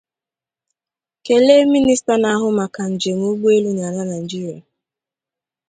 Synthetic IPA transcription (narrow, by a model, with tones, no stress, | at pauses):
ke˨le˦mi˦ni˦sta˦na˨ɦʊ˦ma˨ka˨n̩˨d͡ʒe˨ŋ˦u˦ɡ͡bu˦e˦lu˦n˨a˨la˦na˨d͡ʒi˦ɾja˨